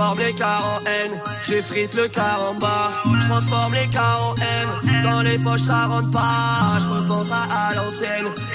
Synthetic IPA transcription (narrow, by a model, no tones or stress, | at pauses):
ɔʁmlekaʁɑ̃ɛnʒefχit̪ləkaʁɑ̃bḁt̪χɑ̃sfɔʁmlekaʁɑ̃ɛnd̪ɑ̃lepɔʃsaʁɑ̃t̪̚paʒəʁəpɑ̃saʔːlɑ̃sjɛn